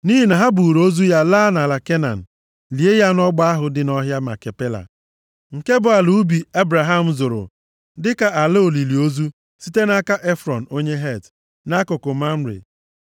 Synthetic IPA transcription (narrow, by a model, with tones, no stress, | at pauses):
ni˦ɦi˨na˨ɦa˦bu˨ɾo˦zu˦ja˦laː˦na˨la˨ke˦na̰˨n̩˨ | li˨e˦ja˦nɔ˦ɡ͡ba˦a˦ɦʊ˨dɪ˨nɔ˦ɦja˦ma̰˨ke˨pe˦la̰˨ | ŋ̩˨ke˦bʊ˨a˨lu˨˦bi˨e˦bɾa˨ɦa˦m̩˨zʊ˨ɾʊ̰˨ | dɪ˦ka˨ʔa˨le˦o˨li˨li˨o˦zu˦ | si˦te˦na˦ka˦ʔe˦fɾɔ˨n̩˨o˦ɲe˦ɦe˦˨t | na˦kʊ˨kʊ˨ma˦m̩˦ɾḛ˨